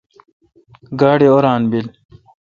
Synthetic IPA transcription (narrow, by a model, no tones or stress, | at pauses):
ɡaːɽioɾaːnbil